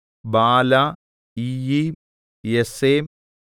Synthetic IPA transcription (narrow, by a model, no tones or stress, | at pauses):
baːla | iji | jeseːm